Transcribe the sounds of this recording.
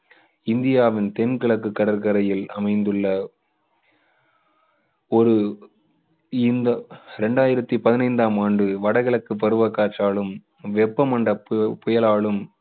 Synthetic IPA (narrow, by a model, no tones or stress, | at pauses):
ɪnd̪ɪjaːʋɪnt̪ɛnkɐɭɐkːɯkːɐɽɐɾkɐɾɐjɪlɐmɐɪnd̪ɯɭːɐ | ɔɾɯ | ɪnd̪ɐɾɛɳɖaːjɪɾɐt̪ːipɐðɪnɐɪnd̪aːmaːɳɖɯʋɐɽɐɣɐɭɐkːɯp̬ːɐɾɯʋɐkːaːʈt͡ʃaːɭɯm | ʋɛpːɐmɐɳɖɐppʊjɐlaːɭɯm